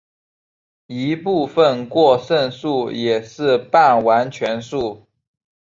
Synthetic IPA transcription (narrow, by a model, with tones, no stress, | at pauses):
i˧˥pu˥˧fə˥˨nkwɔ˥˧ʂə˥˧nʂu˥˩jɛ˨˩ʂɻ̩˥˧pa˥˩nwa˧˥nt͡ɕʰɥɛ˧˥nʂu˥˩